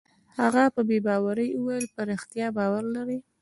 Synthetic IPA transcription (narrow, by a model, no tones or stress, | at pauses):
haɣapəbebɑwaɾəjuwajəlpaɾɪxt̪jɑbɑwaɾlaɾi